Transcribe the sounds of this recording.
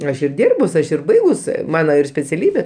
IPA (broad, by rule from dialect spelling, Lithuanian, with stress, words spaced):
ˈɐʃ ɪr ˈdʲiːrbʊs ˈɐʃ ɪr ˈbɐɪɡʊs ˈmɑːnoː ɪr sʲpʲɛt͡sʲɛˈlʲiːbʲeː